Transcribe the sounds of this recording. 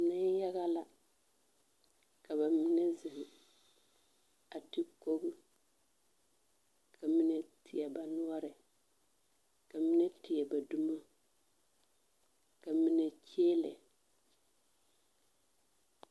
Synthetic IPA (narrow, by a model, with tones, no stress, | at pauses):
na˦ja˦ɣa˦la˦ | ka˨βa˨mɪ˦nɛ˦zɪ˨ɣɪ˨ | a˨ti˦ko˦ɣu˦ | kʰa˨mi˦nɛ˦tʰɪ˨ɛ˨ba˨nʊ˦ɔ˦ɾɪ˨ | ka˨mi˦nɛ˦tɪ˨ɛ˨ba˨du˦ma˦ | ka˨mi˦nɛ˨t͡ʃeː˦lɛ̰˨